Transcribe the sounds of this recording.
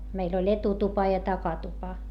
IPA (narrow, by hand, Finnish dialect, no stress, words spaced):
meil olʲ etutupɑ jɑ tɑkɑtupɑ